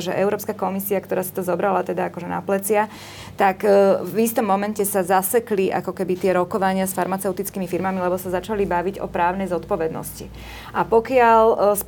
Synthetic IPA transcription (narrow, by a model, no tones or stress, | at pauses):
ʒɛʔɛʊɾɔːpskakɔmisiakt̪ɔɾaːsi̥t̪ɔzɔbɾalat̪ɛd̪aakɔʒɛna̰plɛt͡sɪa | t̪akvist̪ɔmːɔmɛncɛsazasɛkliʔa̰kɔkɛbit̪ɪɛɾɔkɔʋaɲɪasfaɾmat͡sɛʊt̪it͡skimifiɾmamilɛbɔsazat͡ʃalibaʋiɟɔ̰pɾaːʊnɛjzɔt̪pɔʋɛd̪nɔ̰sci | ʔapɔkɪaʎs